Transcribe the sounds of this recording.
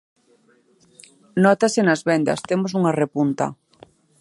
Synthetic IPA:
nɔt̪asɪnɐzβɛnd̪ɐ̰st̪emos̬uŋɐrepunt̪ɐ̰

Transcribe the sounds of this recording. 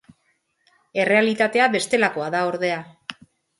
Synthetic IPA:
e̞re̞alit̪at̪e̞aβe̞st̪e̞lako̞aðao̞ɾðe̞a

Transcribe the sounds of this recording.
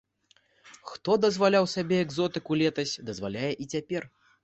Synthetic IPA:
xt̪ɔd̪ɐzvalʲawsʲabʲɛɛɡzɔt̪ɨkulʲɛt̪ɐsʲd̪ɐzvalʲajɛʔit͡sʲapʲɛr

